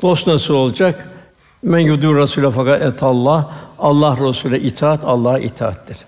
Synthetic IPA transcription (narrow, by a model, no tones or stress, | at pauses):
d̪̥ost̪nasuolˠd͡ʒak | mænjud̪uɾasulʲafakat̪ɛt̪ʰalˠːɑhɑlˠːɑhɾosulɛʔit̪ʰaːat̪ʰɑlˠːɑːhaʔḭt̪ʰaːa̰t̪d̪iɾ̥